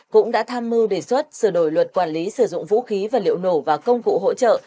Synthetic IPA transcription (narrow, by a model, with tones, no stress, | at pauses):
kʊ̰˧˥ŋ͡mɗa̰ː˧˥t̪ʰaː˧mːɨ˧wɗe˧˨˩swə˦˥t̚sɨ˧˩ɗo˧˩jlwə˨˩t̚kwaː˧˩nli˨˦sɨ˧˩zʊ̰˧˨ŋ͡mvṵ˧˥xi˨˦vaː˨˩lḭ˧˨əwno˧˩vaː˨˩kə˧wŋ͡mkṵ˧˨ɦo̰˧˥t͡ɕə̰ː˧˨